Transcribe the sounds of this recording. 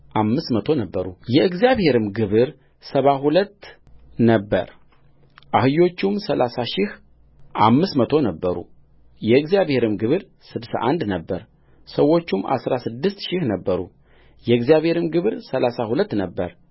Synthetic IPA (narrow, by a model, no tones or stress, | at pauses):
ʔamːɨst̪mət̪ʰo̞nəbːəɾṵjɛɨɡzjaβhe̞ɾɨmɡɨβɨɾ | səβaɦulət̪ː | nəbːə̰ɾ | ʔahɨjo̞t͡ʃːumsəlʔasaʃɪh | ʔamːɨsmət̪ʰo̞nəbːəɾṵ | jɛɨɡzijaβhe̞ɾɨmɡɨβɨɾ | sɨd̪sa̰ʔand̪nəbːəɾ | səwːo̞t͡ʃːuma̰sɾasɨd̪ːɨst̪ʃɪhnəbːəɾṵ | jɛɨɡzijaβhe̞ɾɨmɡɨβɨɾsəlasahulət̪ːnəbːəɾ